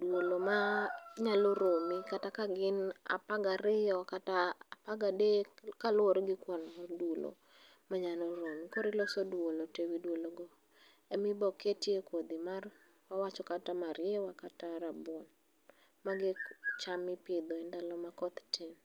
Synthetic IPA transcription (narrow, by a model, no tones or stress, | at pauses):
dwolomaɲaloɾomikatakaɡɪna̰paɡaɾɪjɔkatapaɡadekalʊɔɾɡɪkwɔnɔrdwolo̰ | maɲalɔɾomikɔɾɪlɔsɔdwolotewidwoloɡɔ | ɛmɪbɔketjekwod̪imar | wawat͡ʃɔkatamaɾɪɛwakataɾabɔn | maɡɪt͡ʃamɪpɪd̪ɔɛndalɔmakɔt̪tʰɪn